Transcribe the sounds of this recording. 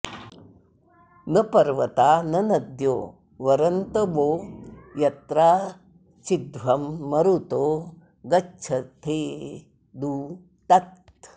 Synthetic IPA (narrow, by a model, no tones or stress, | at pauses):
nɐpɐɾʋɐt̪aːnɐnɐd̪jo̰ː | ʋɐɾɐnt̪ɐboːjɐt̪ɾaː | t͡ʃid̪ʋɐmːɐɾut̪oː | ɡɐt͡ʃʰɐt̪ʰeː | d̪uː | t̪ɐt̪